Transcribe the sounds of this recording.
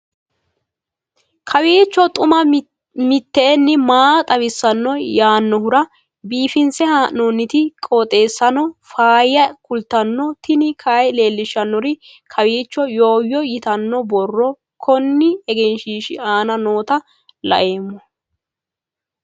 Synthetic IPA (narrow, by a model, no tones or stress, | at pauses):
kʰɐwiːt͡ʃːɔt̪ʼʊmɐ | mɪt̪ːɛːnːɪmaːt̪ʼɐwɪsːɐnːɔjaːnːɔhʊɾɐ | biːfɪnsɛhaːʔnoːnːɪt̪ɪkʼoːt̪ʼe̞ːsːɐnɔfaːjɐkʊlt̪ːɐnːɔt̪ɪnɪkʰaːjle̞ːlːɪʃːɐnːɔɾɪ | kʰɐwiːt͡ʃːɔjo̞ːjːɔjɪt̪ɐnːɔbɔrːɔ | kʰɔnːɪɛɡɛnʃiːʃɪaːnɐno̞ːt̪ɐ | lɐ̰ʔe̞ːmːɔ